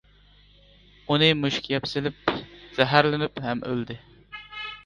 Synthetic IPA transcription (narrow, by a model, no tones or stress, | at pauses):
unɨmuʃkʰjɛpsɪlɪp̚z̥ɛɦæɾlɪnyphɛmʔø̰ld̪ɪ